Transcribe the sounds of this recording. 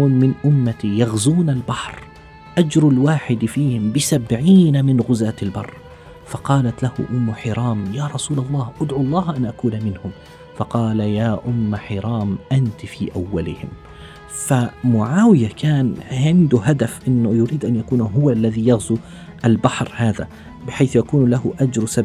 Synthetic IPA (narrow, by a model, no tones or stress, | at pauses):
uːnmɪnʔʊmːat̪ijaɣzuːnalbaħɾ | ʔad͡ʒɾʊlwaːħɪd̪fiːhɪmbɪsabʕiːnamɪnɣʊzaːt̪ɪlbɑrˤː | fɑqɑːlat̪lahʊ̰ʔʊmːʊħɪɾˤɑːmjaːɾˤɑsuːlɑlˤːɑːhʔʊd̪ʕuɑlˤːɑːhʔanʔakuːnamɪnhʊm | fɑqɑːlajaːʔʊmːaħɪɾˤɑːmʔant̪fiːʔawːalɪhɪm | famʊʕaːwɪjakʰaːnʕɪnd̪ʊɦad̪afʔɪnːʊjʊɾiːd̪ʔanjakuːnɦʊwalːaðijaɣzu | ʔalbaħɾhaːða | bɪħajθjakuːnlaɦʊʔad͡ʒɾsab